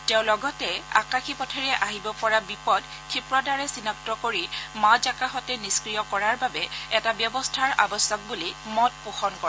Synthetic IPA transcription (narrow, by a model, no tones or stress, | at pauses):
tɛʊ̃lɔɡɔtɛa̰kaxʰipɔtʰɛɹɛʔaɦibɔpɔɹabipɔd | kʰipɹɔdʱaɹɛsinɔktɔkoɹimazakaxɔtɛniskɹijɔkɔɹaɹbabɛɛtabjɔbɔstʰaɹabɔsɔk̚bulimɔt̚puxɔnkɔɹ